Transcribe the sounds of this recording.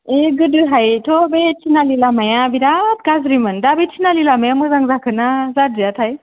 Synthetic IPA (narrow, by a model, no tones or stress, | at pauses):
eɡɯdɯɦajtʰobet͡ʃʰinalilamajãbidat̪̚ɡazɾimɯndabet͡ʃʰinalilamajamuzaŋzakʰɯnazadijat̪ʰaj